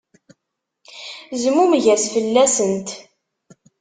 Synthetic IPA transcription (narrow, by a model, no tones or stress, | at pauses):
zmumʝæsfəlːæsənt̪